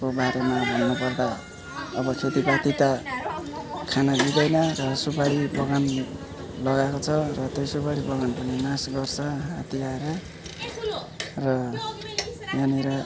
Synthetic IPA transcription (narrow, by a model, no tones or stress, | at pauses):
kobaɾemaɦonːupʌrd̪a | ʌbʌkʰet̪ipat̪it̪a | kʰanabid̪ʌjnʌrʌsupaɾibʌɡan | lʌɡakot͡sʰʌrʌt̪ejsupaɾibʌɡanpʌninasɡʌrt͡sʰʌɦat̪iaeɾʌ | rʌ | janiɾʌ